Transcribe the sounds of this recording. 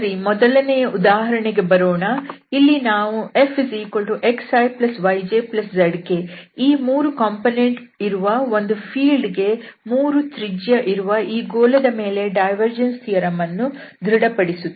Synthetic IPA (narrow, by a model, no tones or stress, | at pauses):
ɾimɔd̪ɐlɐnejɐʔud̪aːɦɐɾɐɳeɡe̞bɐɾoːɳɐilːinaːʋue̞fsiːkoɭʈuʔe̞ksɐjplɐsʋɐjd͡ʒeplɐsd͡ʒɐɖkeiːmuːɾukɐːmpoːneɳʈ | iɾuʋɐo̞nd̪upʰiːlɖɡe̞muːɾut̪ɾid͡ʒjɐʔiɾuʋɐiːɡoːlɐd̪ɐme̞ːle̞ɖɐjʋɐɾd͡ʒɐnst̪ijɐɾɐmɐnːud̪ʱɾiɽɐpɐɽisu